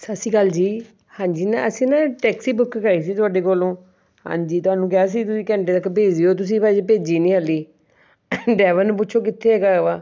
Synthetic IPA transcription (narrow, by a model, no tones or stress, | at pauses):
səsiːkəld͡ʒiː | hãːɲd͡ʒiːnãəsĩːnãːʈɛːksiːbʊkːkaːiːs̬iːt̪ʊaːɖeːkoːlõː | hã̰ːɲd͡ʒiːt̪ʊaːnũːkaːs̬iːt̪ʊsĩːkɛ̃ːɳʈeːt̪əkːpeːd͡ʒiːoːt̪ʊs̬ĩːpɛd͡ʒepeːd͡ʒiːnĩːɦəlːiː | ɖɛːʋənːp̬ʊːʃʰoːkɪt̪ʰːeːɛːɡaːʋaː